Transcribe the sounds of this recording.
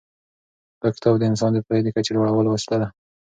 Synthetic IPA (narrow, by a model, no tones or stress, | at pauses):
pəkɪ̥t̪ʰɑbd̪əɪns̬ɑnd̪əpajd̪əkat͡ʃelwaɽawəlowast̪ad̪a